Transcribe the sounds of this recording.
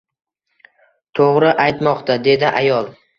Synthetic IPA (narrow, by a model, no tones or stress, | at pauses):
t̪ʰoʁɾɪʔajt̪mɒqt̪ʰad̪e̞d̪ɪʔajɒlˠ